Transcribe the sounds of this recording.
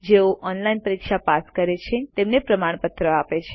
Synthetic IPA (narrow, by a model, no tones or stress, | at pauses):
d͡ʒeoʔɔnlainpəɾikʃapaskəɾet͡ʃʰet̪emnepɾəmaɳ̃pət̪ɾəapet͡ʃʰe